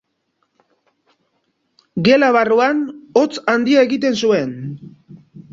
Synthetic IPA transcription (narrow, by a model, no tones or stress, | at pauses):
ɡe̞laβaruano̞t͡sand̪iae̞ɣit̪̬e̞nsue̞n